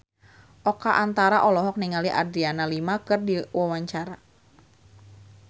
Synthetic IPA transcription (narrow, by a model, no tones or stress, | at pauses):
ʔɔkaʔant̪aɾaʔɔlɔɦɔk̚niŋaliʔa̰dɾianalimakɨrdiwawaɲt͡ʃaɾa